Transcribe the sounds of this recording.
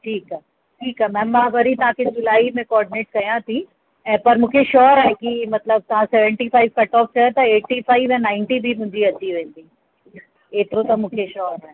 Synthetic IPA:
ʈʰiːkaː | ʈʰiːkaːmɛ̃ːmãʋɐɾit̪ɐʋãkʰed͡ʑʊlaːimẽkɔːɾɖɪneːʈ̚kɐjãt̪ʰi | ɛ̃ːpɐɾmʊ̃kʰeʃɔːɾaɦekimɐt̪ləb̚t̪ɐʋ̤ãsɛːʋə̃ɳʈifaːɪʋkɐʈɔːp̚t͡ʃaɦet̪ɐeːʈːifʰaːɪʋɛ̃nãːɪ̃ɳʈibʱimʊ̃ɦɲd͡ʑiɐt͡ɕiʋẽːnd̪iː | eːt̪ɪɾõt̪ɐmʊ̃ːkʰeʃɔːɾaɦ

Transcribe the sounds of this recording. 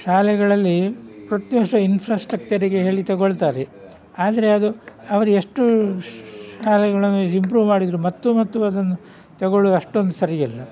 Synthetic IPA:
ʃaːlɛɡɐɭɐlːipɾɐt̪iɦɔʂɐinpʰɾaːsʈɾɐk̚t͡ʃɐɾiɡe̞ɦe̞ːɭit̪ɐɡoɭt̪aːɾe | aːd̪ɐɾe̞ɐd̪uɐʋɐɾue̞ʂʈu | aːlɛɡɐɭɐnːuimpɾuːʋmaːɽid̪ɾumɐt̪ːumɐt̪ːuɐd̪ɐnːu | t̪ɐɡoɭuɐʂʈo̞nd̪usɐɾijɛlːɐ

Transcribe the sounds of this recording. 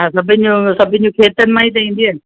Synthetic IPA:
ãsɐbʱɪ̃n̆d͡ʑũsɐbʱɪ̃nɪ̆d͡ʑũkʰeːt̪ənɪ̆mãit̪ɐĩːn̆d̪ie

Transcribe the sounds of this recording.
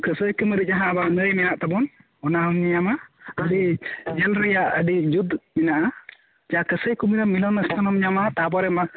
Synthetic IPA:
kəsəjkəməɾid͡ʒaɦãbanəjmɛnaʔt̪abɔn | ɔnaɔmɲaɲamaədiɲɛlɾɛjaʔədid͡ʒud̪mɛnaʔa | d͡ʒakəsəjkumiɾamːilɔnəst̪anɔmɲamat̪abɔɾɛma

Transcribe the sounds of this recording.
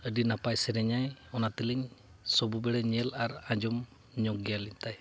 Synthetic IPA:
ədinapajsɛɾɛɲajɔnat̪iliŋ | sɔbubɛɽɛɲɛlaɾaɲd͡ʒɔm | ɲɔkɡijalint̪aj

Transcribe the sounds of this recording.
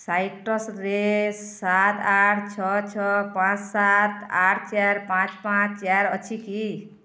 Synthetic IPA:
sajʈʌsɾesat̪aʈʰt͡ʃʰʌt͡ʃʰʌpãt͡ssat̪aʈʰt͡ʃaɾpãt͡spãt͡ʃʰt͡ʃaɾʌt͡ʃʰiki

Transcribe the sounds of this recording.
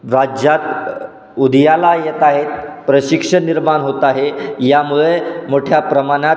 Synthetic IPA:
ɾad͡ʑjat̪ | ud̪ʱjalajet̪aɦet̪pɾəɕikʂəniɾmanɦot̪aɦejamuɭemoʈʰjapɾəmana

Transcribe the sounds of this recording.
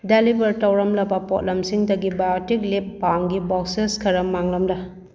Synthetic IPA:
delibɐɾtɐwɾɐmlɐbɐpɔ̰t̚lɐmsiŋdɐɡibajotiklep̚ːamɡibɔkseskʰɐɾɐmaŋlɐmdɐ

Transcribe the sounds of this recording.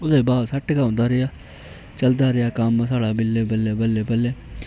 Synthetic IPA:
ʊd̪eːbaːd̪səʈʰkãːnd̪aːɾɪjaː | t͡ʃəld̪aːɾɪjaːkəmsaːɽaːbɪlːeːbəlːeːbəlːeːbəlːeː

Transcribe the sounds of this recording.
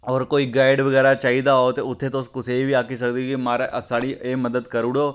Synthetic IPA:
ɔːɾkoːiɡaːɪɖʋɐɣɛːɾat͡ʃaːɦid̪aɦot̪eʊt̪ʰːet̪oʊskʊseibʱiaːkis̬ɐk̚d̪ikimaːɾaʔɐsaːɽieːmɐd̪əd̪kɐɾʊɽoː

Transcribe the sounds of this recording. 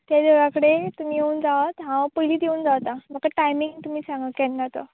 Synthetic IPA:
t̪jad̪eɾãkəɽet̪um̤iːjeuːnd͡zaʋət̪ɦãpəɦiliːd̪eũːnd͡zaʋt̪ãm̤əkaʈajmiŋɡt̪um̤iːsãŋɡəkɛnnat̪o̰

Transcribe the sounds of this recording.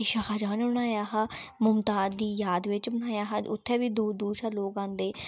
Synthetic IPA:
ɪʃaːkaːd͡ʒaːneːbəɽaːjaːɦaːmʊmt̪aːd̪d̪iːjaːd̪ʋɪt͡ʃbənaːjaːɦaːʊ̰t̪ʰːɛːʋiːd̪uːd̪uːʃʰaːloːkãːnd̪eː

